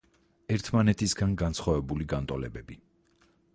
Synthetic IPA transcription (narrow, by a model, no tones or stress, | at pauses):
ɛɾt̪ʰmanɛt̪ʰisɡanɡansχwavɛbuliɡant̪ʼɔlɛbɛbi